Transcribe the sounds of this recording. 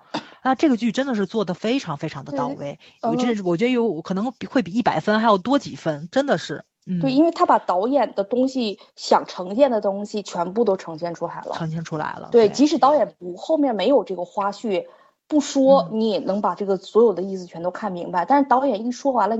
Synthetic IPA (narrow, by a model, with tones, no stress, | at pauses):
na˥˧ʈ͡ʂɤ˥˩ɡə˩t͡ɕy˥˩ʈ͡ʂə˥nd̪ə˨ʂ̬ɻ̩˥˧t͡swɔ˥˩d̪ə˩fe˥ɪʈ͡ʂʰɑ˧˥ŋfe˥ɪʈ͡ʂʰɑ˧˥ŋd̪ə˧ɑ˥˧ʊwḛ˥˩ɪ | ɔ˧˨˩ɥɛ˧˥˩wɔ˨˩t͡ɕɥɛ˧˥d̪ə˧jo˧˥ʊkʰɤ˨˩n˧˥ŋi˨˩xwe˥˩ɪp̬i˨˩i˥˩pa˨˩ɪfə˥nxa˧˥ɪjo˨˩ʊt̪wɔ˥t͡ɕḭ˨˩fə˥nʈ͡ʂə˥nd̪ə˨ʂɻ̩˥˩ | n̩t̪we˥˩ɪi˥nwe˥˩ɪt̪ʰa˥pa˨˩t̪ɑ˧˥ʊjɛ˨˩nd̪ə˦t̪ʊ˥ŋɕi˨ | ɕjɑ˨˩ŋʈ͡ʂʰɤ˧˥ŋɕjɛ˥˩nd̪ə˩t̪ʊ˥ŋɕi˨t͡ɕʰɥɛ˧˥npu˥˩t̪o˥ʊʈ͡ʂʰɤ˧˥ŋɕjɛ˥˩nʈ͡ʂʰu˥la˧˥ɪlə̰ʈ͡ʂʰɤ˧˥ŋɕ̬jɛ˥˧nʈ͡ʂʰu˥la̰˧˥ɪlə̰˧t̪we˥˩ɪ˩t͡ɕi˧˥ʂɻ̩˧˥t̪ɑ˧˥ʊjɛ˨˩npu˨˩xo˥˧ʊmjɛ˥˩nme˧˥ɪjo˨˩ʊʈ͡ʂɤ˥˩ɡə˩xwa˥ɕy˥˩ | pu˥˩ʂwɔ˥ni˧˥jɛ˨˩nɤ˧˥ŋpa˨˩ʈ͡ʂɤ˥˩ɡə˩swɔ˧˥jo˨˩ʊd̪ə˦i˥˩sɹ̩˨˩t͡ɕʰɥɛ˧˥nt̪o˥ʊkʰa˥˩nmi˧˥ŋba˧ɪt̪a˥˧nʂɻ̩˥˧t̪ɑ˧˥ʊjɛ˨˩ni˥˩ʂwɔ˥wa˧˥nlə˧